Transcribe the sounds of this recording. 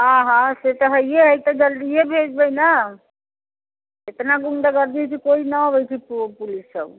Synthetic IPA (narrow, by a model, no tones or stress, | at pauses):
ɦãɦãset̪əɦəjeɦəjt̪əd͡ʒəld̪iebʱed͡ʒbəjna | et̪naɡuŋd̪aɡəɾd̪it͡ʃʰikoinəɦobɛt͡ʃʰippulisəb